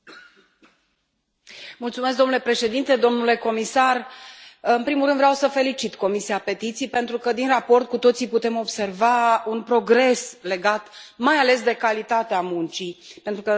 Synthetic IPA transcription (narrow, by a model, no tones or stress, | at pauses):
mult̪sumes̬kd̪onule̞pɾe̞ʃe̞d̪int̪e̞d̪o̞mnule̞ko̞misar | ɨnpɾimulɾɨnd̪vɾeawsəfe̞lit͡ʃit̪ko̞misiape̞t̪it̪sijpe̞nt̪ɾukəd̪inrapo̞rt̪̚kut̪o̞t̪siput̪e̞mo̞bse̞rvaunpɾo̞ɡɾe̞sle̞ɡat̪majale̞s̬d̪e̞kalit̪at̪eamunt͡ʃipe̞nt̪ɾukə